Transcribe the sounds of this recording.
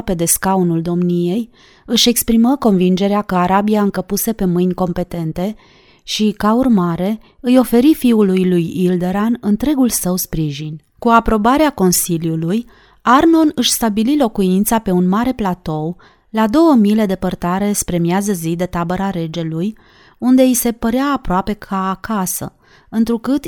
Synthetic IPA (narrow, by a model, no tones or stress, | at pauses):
pe̞d̪e̞skaunuld̪o̞mnije̞j | ɨʃe̞kspɾiməko̞nvind͡ʒe̞ɾeakəaɾabiaɨŋkəpuse̞pe̞mɨjnʲko̞mpe̞t̪e̞nt̪e̞ | ʃikaurmaɾe̞ | ɨjo̞fe̞ɾifiulujlujild̪e̞ɾanɨnt̪ɾe̞ɡulsəwspɾiʒin | kuapɾo̞baɾeako̞nsiljuluj | arno̞nɨʃst̪abililo̞kuint̪sape̞unmaɾe̞plat̪o̞w | lad̪o̞wəmile̞d̪e̞pərt̪aɾe̞spɾe̞miazəzid̪e̞t̪abəɾaɾe̞d͡ʒe̞luj | und̪e̞ise̞pəɾeaːpɾoape̞kʰaːkasə̰ | ɨnt̪ɾukɨt̪